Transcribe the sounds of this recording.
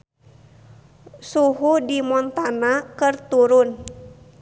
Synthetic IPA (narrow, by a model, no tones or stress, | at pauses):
suɦudimɔnt̪anakɨrt̪uɾʊn